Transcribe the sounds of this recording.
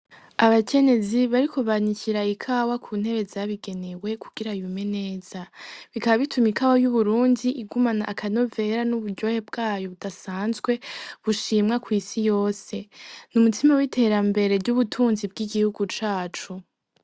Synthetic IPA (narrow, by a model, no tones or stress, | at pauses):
aβakʰe̞ne̞ziβaɾikoβaniciɾaikʰawakʰuːn̥he̞ɾe̞zaβiɡe̞ne̞we̞kuɡ̥iɾajume̞ne̞ːz̥aβikaβaβitʰumikʰawajuβuɾuːndiʔiɡumanaʔːkʰano̞ve̞ɾanuβuɾɟo̞ːhe̞b̚ɡaːjo̞βudasaːnzɡwe̞βuʃimŋakwiːsijo̞ːse̞numutʰimawitʰe̞ːɾambe̞ɾe̞ɟuβutʰuːnzib̚ɡiɡihuɡut͡ʃaːt͡ʃu